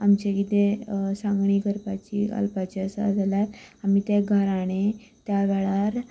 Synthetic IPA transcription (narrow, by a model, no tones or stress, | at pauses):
amt͡ɕekid̪esãŋɡɳiːkəɾpat͡ɕḭə̰lpat͡ɕiəsa̰d͡zʱalat̪amiːt̪aɡʱəɾaɽ̃et̪jaʋɛɭaɾ